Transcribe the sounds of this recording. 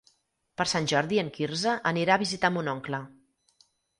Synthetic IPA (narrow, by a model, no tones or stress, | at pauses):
pəɾsanʲʒɔɾðiəŋkiɾzəʔəniɾaːβizit̪ambunɔŋklə